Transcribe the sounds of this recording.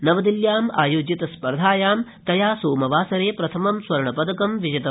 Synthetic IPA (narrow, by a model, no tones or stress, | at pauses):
nɐʋɐd̪iljaːmaːjoːd͡ʒit̪ɐspɐɾd̪ʱaːjaːmt̪ɐjaːsoːmɐʋaːsɐɾeːpɾɐt̪ʰɐmɐmsʋɐɾɳɐpɐd̪ɐkɐmʋid͡ʒɐt̪ɐm